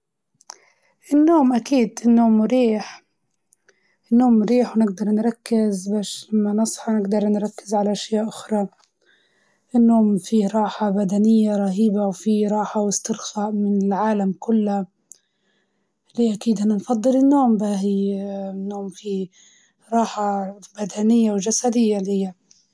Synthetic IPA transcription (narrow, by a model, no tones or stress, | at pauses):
ʔɪnːoːmʔakiːd̪ɪnːoːmɾiːħ | ʔɪnːoːmːɾiːħwnɪɡd̪ɑɾˤnɾˤɑkːɪzbaːʃlamːanɑsˤħɑnɪɡd̪ɑɾˤnɾˤɑkːɪzʕalaʔaʃjaːʔʔʊxɾˤɑ | ʔɪnːoːmfiɾˤɑːħabad̪anɪjːaɾˤɑɦiːbawfiɾˤɑːħawɪst̪ɪɾxaʔmɪnɪlʕaːlamkʊlːa | lɪʔakiːd̪ʔanːanfɑd̪ˤːɨlɪnːoːmbaɦɪnːoːmfi | ɾˤɑːħabad̪anɪjːawʒasad̪ɪjːalhɪjːa